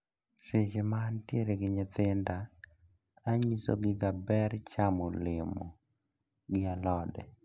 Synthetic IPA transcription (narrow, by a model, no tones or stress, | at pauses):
sɪd͡ʒɪmantjeɾeɡɪɲɪt̪ɪndaː | ɲiso̰ɡɪɡabɛɾt͡ʃamolɪmo | ɡɪalɔdɛ̰